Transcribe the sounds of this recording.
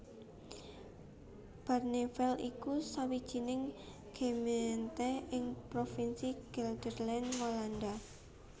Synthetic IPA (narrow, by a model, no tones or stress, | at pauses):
b̥arnefɛlikusawid̥ʒ̥i̤nɪŋ | ɡ̥e̤ment̪ɛhɪŋpɾofinsiɡ̥ɛld̪̥ərlɛnmoland̪a